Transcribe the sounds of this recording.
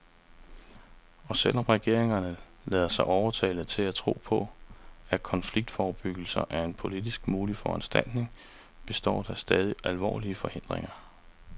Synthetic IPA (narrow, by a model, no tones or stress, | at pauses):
ɒ̽sel̰ɒ̽mʁɛɡ̥e̝ɐ̰eŋɐnə | lɛːð̞ˠɐsɑ̈ɪʔɒʊɐt͡sʰɛːlð̩ˠt͡sʰe̝læt͡sʰʁo̝̰ːpʰɒ̽ækʰɒ̽nfliɡ̥̚d̥fɒːb̥yɡ̥l̩sɐʔæɐe̝npʰo̝lid̥isɡ̥muːlifɒ̰ænsd̥æl̰d̥ne̝ŋ | b̥e̝sd̥ɒ̰ːd̥æsd̥ɛːð̞ˠiʔælʋɒ̰ːliəfɒ̽he̝n̰d̥ʁeŋɐ